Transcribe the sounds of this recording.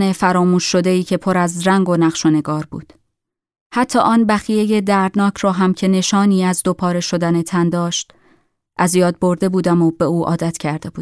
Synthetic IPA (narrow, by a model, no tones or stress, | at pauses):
ne̞fæɾɒːmuːʃːo̞d̪e̞iːcʰe̞pʰo̞ɾæzɾæŋɡo̞næʁʃone̞ɡɒːɾbṵːd̪̥ | hæt̪ʰːɒ̰ːʔɒːnbæxijeje̞d̪æɾd̪nɒːcʰɾɒːɦæmcʰe̞ne̞ʃɒːniːæzd̪o̞pʰɒːɾe̞ʃod̪æne̞t̪ʰænd̪ɒːʃt̪ | ʔæzjɒːd̪̚bo̞ɾd̪e̞buːd̪æmobe̞uːʔɒ̰ːd̪æt̪ʰcʰæɾd̪e̞buːd̥̪